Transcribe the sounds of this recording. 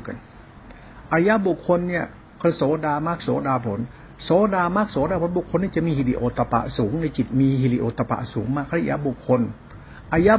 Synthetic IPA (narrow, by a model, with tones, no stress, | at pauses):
ka˧˨n | ʔaː˧˩ja˦˥bu˨˩kʰːo˧nːi˥˩ɐ | kʰa˧˥˨sɔː˨˦daː˧maː˦˥˩k̚sɔ̰ː˨˦daː˧pʰo˨˩˦n | sɔː˨˦daː˧maː˦˥˩k̚sɔː˨˦daː˧pʰo˨˦nbu˨˩kʰːo˧nːi˥˩˨t͡ɕa˨ʔmiː˧hi˧˩lḭ˧ʔoː˨˩t̪ːa˧pa̰˧ʔsuː˩˦ŋna˧jt͡ɕi˨˩t̪̚miː˧ɦi˧˩lḭ˧ʔoː˨˧t̪ːa˧pa̰˧˩ʔsuː˩˦ŋmaː˧˥kʰa˧˨jʔa̰ː˧˥bu˨˩kʰːo˧n | ʔaː˧ja˦˧˥